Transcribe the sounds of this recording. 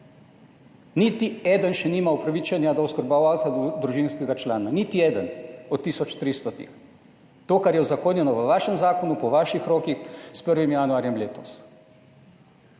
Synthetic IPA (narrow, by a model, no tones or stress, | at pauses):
nit̪iɛːd̪ənʃɛniːmaupɾaʋiːt͡ʃanjad̪ɔwskəɾbaʋalt̪sad̪ɾuʒinskɛɡat͡ʃlaːnanit̪iɛːd̪ənɔt̪ːisɔt͡ʃt̪ɾist̪ɔt̪ḭx | t̪oːkaɾjɛuzakoːnjɛnɔʋəʋaːʃɛmzaːkɔnupɔʋaːʃixɾoːkixspəɾʋimjanuaːɾjɛmleːt̪ɔs